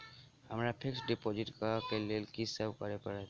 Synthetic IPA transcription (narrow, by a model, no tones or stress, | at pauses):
həmɾapʰɪksɖepod͡ʒɪʈkakelelkisəbkəɾepəɽe